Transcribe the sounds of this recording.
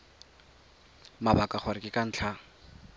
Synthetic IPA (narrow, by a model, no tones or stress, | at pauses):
mabakʼaχʰwaɾɪkʼɪkʼan̩ːt͡ɬʰa